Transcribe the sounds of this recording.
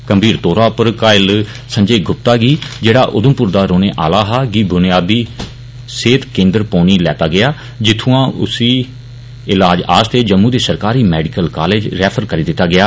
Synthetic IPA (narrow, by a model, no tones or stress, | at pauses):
kəmbʱiːɾt̪oːɾaːpəɾkaːɪl | səɲd͡ʒeːɡʱʊp̚t̪aːɡiːd͡ʒeːɽaːʔʊd̪əmpʊɾd̪aːɾoːneːʔaːlaːɦaːɡiːbʊnɪjaːd̪iː | seːt̪kẽːnd̪əɾpoːniːlɛːt̪aːɡɪjaː | d͡ʒɪt̪ʰːũːãːʔʊ̰siː | ɪlaːd͡ʒa̰ːst̪eːd͡ʒəmːũːd̪eːsəɾkaːɾiːmɛːɖɪkəlkaːleːd͡ʒɾɛːpʰəɾkəɾiːd̪ɪt̪ːaːɡɪjaː